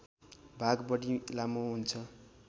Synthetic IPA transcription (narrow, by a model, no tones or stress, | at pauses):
bʱaɡbʌɽilamuɦunt͡sʰʌ